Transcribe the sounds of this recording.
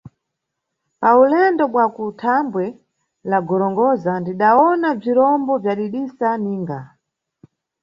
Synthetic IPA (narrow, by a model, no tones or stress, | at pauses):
paulɛndɔɓwakutʰambwɛ | laɡɔɾɔŋɡɔzandiɗaɔnab͡ʐiɾɔmbɔvjaɗiɗisaniːŋɡa